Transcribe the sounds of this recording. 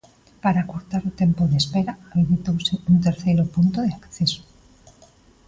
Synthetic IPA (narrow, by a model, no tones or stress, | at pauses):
paɾakoɾt̪aɾot̪empoðespeɾaaβeβit̪owsɪunt̪eɾθejɾopunt̪oðeakθeso̥